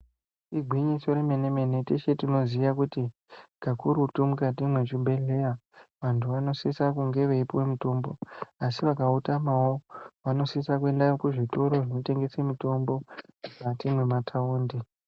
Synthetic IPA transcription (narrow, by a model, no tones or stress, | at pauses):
iɡʱwiɲiso̞ɾeme̞ne̞me̞ne̞teʃe̞tino̞zijakuti | ɡ̥ʱakuɾutumukat̬imwe̞t͡ʃibʱe̞ɮe̞jaʋantʰuʋano̞sisakuŋɡe̞ʋeipowemito̞mbo̞asiʋakautamawoʋano̞sisakue̞ndajokuʐito̞ɾo̞ʐino̞te̞ŋɡe̞semito̞mbo̞ukatimwe̞matʰauːndi